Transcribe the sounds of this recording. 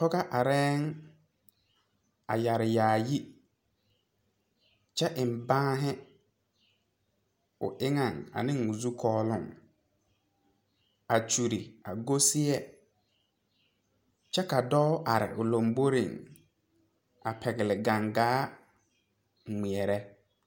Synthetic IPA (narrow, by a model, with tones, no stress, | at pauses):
pɔ˦ɡa˦ʔa˨ɾɛː˦ŋ | a̰˨ja˨ɾɪ˨jaː˨ji˦ | t͡ʃɛ˦ʔɪ˨m̩˨bãː˦ɦɛ˦ | ʊ̰˨ʔɪ˦ŋa˦˨ŋa̰˨nɪ̃˦ŋ˨ʊ˨zu˦kʰɔː˦lʊ̰˦˨ŋ | a˨t͡ʃu˨ɾi˨a˨ɡo˦si˦ɛ˦ | t͡ʃɛ˦ka˨dɔː˦ʔa˨ɾɪ̰˨ʔʊ˨lo˨mbo˦ɾḭ˨ŋ | a̰˨pʰɛ˨ɡɪ˨lɪ˨ɡa˨ŋɡaː˦ | ŋ̩˨ŋ͡mi˨ɛ˨ɾɛ˦